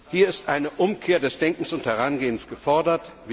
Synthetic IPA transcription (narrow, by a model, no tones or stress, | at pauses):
hiːɐɪstʔaɪnəʔʊmkʰeːɐdɛsd̥ɛŋkŋ̩sʊnthɛʁanɡeːənsɡ̥əfɔɐdɐtvi